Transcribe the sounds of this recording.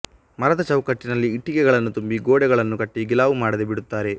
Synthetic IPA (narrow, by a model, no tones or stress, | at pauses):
mɐɾɐd̪ɐt͡ʃɐwkɐʈːinɐlːiːʈːikɛɡɐɭɐnːut̪umbiɡoːɽɛɡɐɭɐnːukɐʈːiɡilaːʋumaːɽɐd̪ebiɽut̪ːaːɾe̞